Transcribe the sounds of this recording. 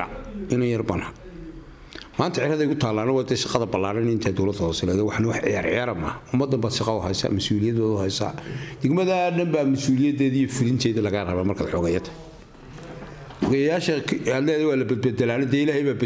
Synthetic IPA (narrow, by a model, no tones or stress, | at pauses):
ɐ̰ɪnɛjɐrbɐnhɐ | maːnt̪ʰɐʕɪjɐɾɐðɛjkʰʊt̪ʰaːlːaːnɐwaːd̪ɛʃɪqɑðɐbɐlːaːɾɐnɪnt̪ʰaːd̪ɔwlɐd̪hɔːsɪlɛðɛwɑħnɐwɑħʕɪ̰jaːɾʕjaːɾɐmɐʊmːɐd̪ːɐmbaːd̪ʃɪqɑʊɦɛ̰jsa̰mɐsuːlɪjɐd̪baːðʊhɛjsa̰ːd̪̥ɐɡmɐðaɖɐmbaːmɐsuːlɪjɐd̪ɛːðijɔfɪlɪnt̪ʰɛːðɐlɐɣɐrɐβaːmɐrkʰa̰ːd̪ħɔɣɐjɐt̪ʰɐ̥ | ħɔɣɐjjaːʃɐad̪lɛðɛwaːlɐbɛd̪bɛd̪ɛlaːnɛd̪ɛːɪlaːɦhijβaːb